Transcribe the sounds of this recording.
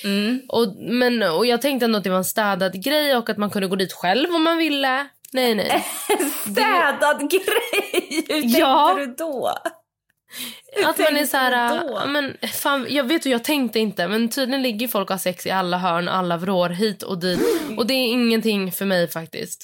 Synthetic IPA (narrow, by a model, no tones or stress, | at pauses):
ʔɔmɛnɔjɑːɡ̚t̪ʰɛŋkt̪ɛɛnd̪ɔat̪̚d̪ɛvaɾɛnst̪ɛːd̪ad̪ɡɾɛjɔkːat̪mankʰɵnd̪əɡoːd̪iːt̪ɧɛlvɔmːanvɪlːə | nɛjnɛ̰jsd̪ɛːd̪ad̪ɡɾɛjjɑːd̪o | at̪manɛsæːɾaa̰mɛnfaːnjɑːɡveːt̪ʉjɑːɡt̪ʰɛŋkt̪əɪnt̪əmɛnt̪ʰyːd̪lɪjənlɪɡːəjfɔlkhasɛksɪ̰alːaɦœːɳ̰ʔa̰lːavɾoːɾɦiːt̪ʰɔ̰d̪iːt̪ɔd̪ɛːɾɪŋːənt̪ʰɪŋːfœɾmɛjfakt̪ɪ̰st̪